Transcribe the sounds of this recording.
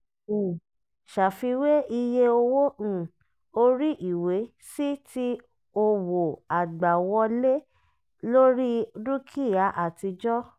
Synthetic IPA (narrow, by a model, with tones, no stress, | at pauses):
u˨ | ʃa˨fi˧we˦i˧je˦o˧wõ˦˨ | o˧ɾi˦ʔi˨we˨˦ | si˦ti˦ | o˧wo˨a˨ɡ͡ba˨wɔ˧le˦ | lo˦ɾi˦du˦kʰi˦˨ja˨˦ʔa˦˨ti˧d͡ʒɔ˦